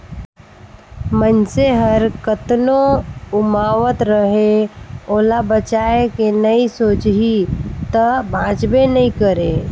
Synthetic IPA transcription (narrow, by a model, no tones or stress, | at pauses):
mənseɦəɾkət̪noʊmaːʋət̪ɾəɦeoːlabət͡ʃaːekenɐisoːt͡ʃɦit̪əbʱãːd͡ʒbenɐɦĩkəɾeː